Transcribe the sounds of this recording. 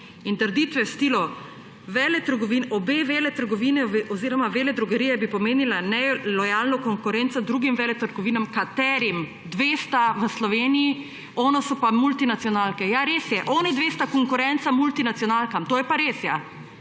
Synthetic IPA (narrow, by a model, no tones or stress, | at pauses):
int̪əɾd̪iːt̪ʋɛwst̪iːlɔ | ʋɛːlɛt̪əɾɡɔʋiːnɔbeʋeːlɛt̪əɾɡɔʋiːnɛeɔziɾɔmaʋeːlɛd̪ɾuɡəɾijɛbipɔmeːnilanɛlɔjaːlnɔkɔŋkʊɾɛːntsɔd̪ɾuːɡimʋɛːlɛt̪əɾɡɔʋiːnamkat̪ɛːɾim | d̪ʋeːst̪aʋəslɔʋeːniji | ɔːnɔsɔpamult̪inat̪sijɔnaːlkɛjaɾeːsjɛʔɔːnid̪ʋeːst̪akɔŋkʊɾɛnt̪samult̪inat̪sjɔnalkamt̪oːjɛpaɾeːsja